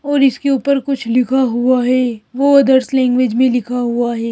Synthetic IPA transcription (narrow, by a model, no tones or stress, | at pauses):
ɔːɾɪskeuːpəɾkʊt͡ʃʰlɪkʰaɦuaɦɛːʋoɐd̪əɾslɛ̃ːŋɡʋed͡ʒmẽlɪkʰaɦuaɦɛː